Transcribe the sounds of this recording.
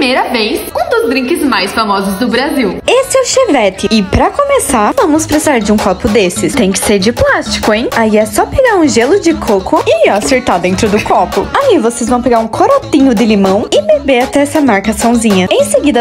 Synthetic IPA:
mejɾɐvejsũd̪ʊzd̪ɾĩŋkɪzmajsfamɔzʊzd̪ʊbɾaziwesɪɛwʃevɛt̪ɪɪpɾɐkomesaɾvɐ̃mʊspɾesizaɾd͡ʒɪũkɔpʊd̪esɪst̪ẽj̃kɪ̥seɾd͡ʒɪplast͡ʃi̥kʊẽj̃aiɛsɔpeɡaɾũʒelʊd͡ʒɪkʰokʰʊɪaseɾt̪aɾd̪ẽnt̪ɾʊd̪ʊkɔpʊaivosezvɐ̃w̃peɡaɾũkʰoɾot̪ĩɲʊd̪ɪlimɐ̃w̃ɪbebeɾat̪ɛɛsɐmaɾkasɐ̃w̃zĩɲɐẽj̃seɡid̪ɐ

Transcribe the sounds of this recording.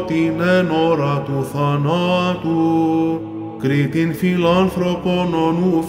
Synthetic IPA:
t̪inɛnɔɾat̪uθanat̪u | kɾit̪infinlanθɾokonɔnuf

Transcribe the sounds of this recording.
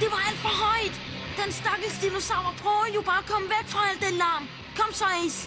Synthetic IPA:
d̥e̝ʋɑ̈æl̰d̥fɒɦɒɪd̥ | d̥ensd̥ɑɡ̥l̩ˠsd̥ilosɑʊɐpʰʁœːʊjub̥ɑ̈ːkʰɒmʋæɡ̥fʁɑ̈ɛl̰d̥elɑːm | kʰɒmsʰas

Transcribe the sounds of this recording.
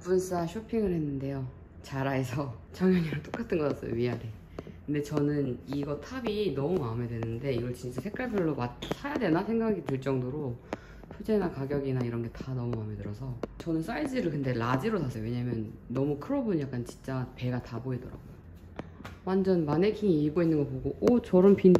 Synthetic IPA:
puns͈aɕʰopʰiŋɯɭhe̞nːɯnde̞jo | t͡ɕaɾaesʰʌt͡ɕʌŋjʌɲiɾɯt͈ok͈atʰɯnɡʌk͈ats͈ʌ̰jo̰ɥiaɾi | kɯnde̞t͡ɕʌnɯniɡʌtʰabinʌmumame̞dwe̞nɯɯnde̞iɡʌɭt͡ɕint͡ɕ͈asʰek͈aɭbjuɭːomasʰajadwe̞nasʰe̞ŋɡaɡitɯɭt͡ɕ͈ʌŋdoɾo | pʰod͡ʑe̞nakaɡjʌɡinaiɾʌnɡe̞tanʌmumame̞dɯɾʌsʰʌt͡ɕʌnɯns͈aid͡ʑiɾɯɭkɯnde̞lad͡ʑiɾosʰasʰeowe̞ɲamjʌnːʌmukʰɯɾobunjak͈ant͡ɕi̥nt͡ɕ͈ape̞ɡataboidʌɾa̰ɡojo | wand͡ʑʌnmane̞kʰiŋiːɭɡoinːɯnɡʌpoɡoʔot͡ɕʌɾʌmpin

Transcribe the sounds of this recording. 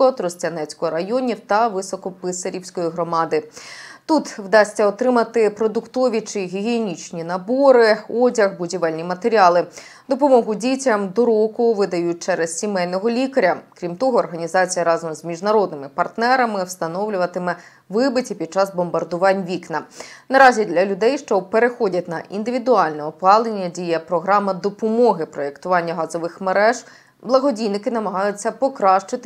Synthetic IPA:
ɔɔt̪ɾɔsʲtʲɐnɛt͡sʲkɔɦɔɾɐjɔnʲiwt̪ɐʋɪsɔkɔpɪsɐɾʲiwsʲkɔjiɦɾɔmɑd̪ɪt̪ut̪wd̪ɑsʲtʲːɐɔt̪ɾɪmɐt̪ɪpɾɔd̪ʊkt̪ɔʋʲit͡ʃɪɦʲiɦʲienʲit͡ʃnʲinɐbɔɾɪɔdʲɐɣbʊdʲiʋɛlʲnʲimɐt̪eɾʲiɑlˠɪ | d̪ɔpɔmɔɦʊdʲitʲɐmd̪ɔɾɔkʊʋɪd̪ɐjut̚ʲt͡ʃɛɾɛz̥sʲimɛjnɔɦɔlʲikɐɾʲɐkɾʲimt̪ɔɦɔːrɦɐnʲizɑt͡sʲijɐɾɑzɔmzmʲiʒnɐɾɔd̪nɪmɪpɐrt̪nɛɾɐmɪwst̪ɐnɔwlʲʊʋɐt̪ɪmɛ | ʋɪbɪtʲipʲid̪̥̚t͡ʃɑzbɔmbɐrd̪ʊʋɑnʲʋʲiknɐnɐɾɑzʲid̪lʲɐlʲʊd̪ɛjʃt͡ʃɔpeɾexɔdʲɐtʲnɐ̰ʔind̪ɪʋʲid̪ʊɑlʲnɛɔpɑlˠenʲːɐdʲijɐpɾɔɦɾɑmɐd̪ɔpɔmɔɦɪpɾɔekt̪ʊʋɑnʲːɐɦɑzɔʋɪxmeɾɛʒ | blˠɐɦɔdʲijnɪkɪnɐmɐɦɑjʊt͡sʲːɐpɔkɾɑʃt͡ʃɪt̪ɪ

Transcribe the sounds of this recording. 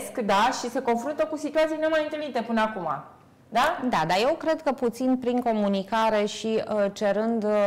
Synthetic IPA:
skd̪aʃise̞ko̞nfɾunt̪əkusit̪uat̪sijnemajɨnt̪ɨlnit̪e̞pɨnəakuma̰ | d̪ad̪ad̪aje̞wkɾe̞d̪kəput̪sinpɾiŋko̞munikaɾe̞ʃiət͡ʃe̞ɾɨnd̪

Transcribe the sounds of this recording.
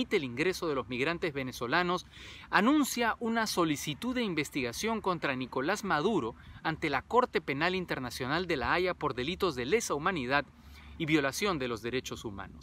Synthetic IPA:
it̪eːliŋɡɾe̞so̞ð̞e̞lozmiɣɾant̪ezβe̞neso̞lano̞sanũnsjaʔunaso̞lisit̪uðeimbe̞st̪iɣasjo̞ŋko̞nt̪ɾaniko̞lazmaðuɾo̞ant̪e̞lako̞ɾt̪e̞pe̞nalint̪e̞ɾnasjo̞nald̪e̞laajapo̞ɾðe̞lit̪o̞zðele̞saumaniðað | iβjo̞lasjo̞nd̪e̞lo̞zðe̞ɾe̞t͡ʃo̞suma̰nos

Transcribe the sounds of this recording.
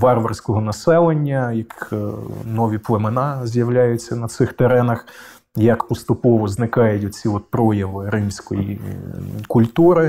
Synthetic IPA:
ʋɑrʋɐrsʲkɔɦɔnɐsɛlˠenʲːɐjɐk | nɔʋʲiplˠemenɑzʲjɐwlʲajʊt͡sʲːɐnɐt̪sɪxt̪eɾɛnɐx | jɐkpɔst̪ʊpɔʋɔznɪkɑjʊtʲɔt͡sʲiɔt̪̚pɾɔjɐʋɪɾɪmsʲkɔjḭ | kʊlʲt̪uɾɪ

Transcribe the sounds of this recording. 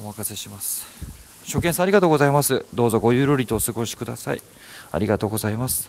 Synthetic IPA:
omakase̞ɕimasɨ̥ | ɕo̞kẽsãːɾʲiɡat̪o̞ːɡo̞zaimasɨd̪o̞ːzo̞ɡo̞jɯ̟ːɾoɾʲit̪oːsɨɡo̞ɕi̥kɯ̟d̪a̰sa̰ḭ | a̰ɾʲiɡat̪o̞ːɡo̞zaimasɨ̥

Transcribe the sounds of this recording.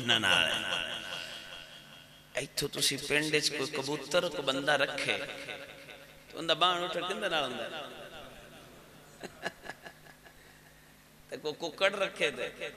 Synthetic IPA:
nana̰ːl̰ː | ɐit̪ʰːot̪ʊsĩpẽːɳɖed͡ʑkokɐbuːt̪əɾkoɓɐ̃nd̪aɾɐkʰḛː | t̪oʊ̰̃nd̪abãːɳ̃ʊʈʰəkĩnd̪anaːlʊ̃nd̪aː | t̪ɐkokʊkəɽɾɐkʰet̪e

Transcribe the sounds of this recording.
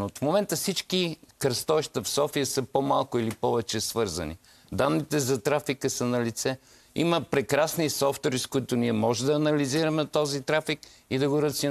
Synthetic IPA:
ot̪fmomɛnt̪əfsit͡ʃkikɾɐst̪ɔʃt̪əfsɔfijəsəpomalˠkʊilipɔvɛt͡ʃɛsvɤɾzɐ̰nḭ | d̪anːit̪ɛzɐt̪ɾafikəsənɐlit̪sɛ | ḭməpɾɛkɾasnisɔft̪oɾiskʊit̪oniɛmɔʒɛd̪ɐːnɐliziɾɐmɛt̪ɔzit̪ɾafik | id̪ɐɡoɾɐt̪si

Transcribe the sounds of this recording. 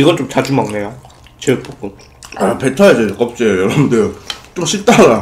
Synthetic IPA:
iɡʌɭt͡ɕ͈omt͡ɕad͡ʑumaŋnejo | t͡ɕep͈ok͈u | apetʰʌad͡ʑek͈ʌp̚t͡ɕ͈ejjʌɾʌbndet͡ɕ͈oɕʰit͈aɾa

